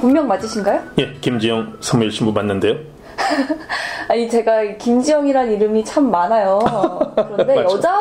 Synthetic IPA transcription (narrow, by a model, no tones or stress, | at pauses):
pummjʌŋmad͡ʑ͈ɯɕʰinɡajoje̞kimd͡ʑijʌŋsʰamiɭɕ͈ʰimbumanːɯnde̞jo | aɲit͡ɕe̞ɡaikimd͡ʑijʌŋiɾaniɾɯmit͡ɕʰamːanajokɯɾʌnde̞jʌd͡ʑa